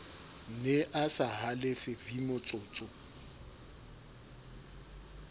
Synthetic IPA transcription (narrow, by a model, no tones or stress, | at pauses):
neʔasaɦalɪfɪvimʊt͡sʼʊːt͡sʼʊ